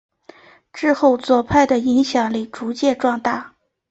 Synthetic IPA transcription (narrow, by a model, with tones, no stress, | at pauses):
ʈ͡ʂɻ̩˥˧xo˥˩˧ʊt͡swɔ˨˩pʰa˥˩ɪd̪ə˩i˧˥ŋɕjɑ˨˩ŋli˥˩ʈ͡ʂu˧˥t͡ɕjɛ˥˧ʈ͡ʂwɑ˥˧ŋt̪a˥˩